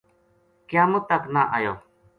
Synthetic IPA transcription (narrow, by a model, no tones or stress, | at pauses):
kjaːmʊ̃t̪əknaːʔajoː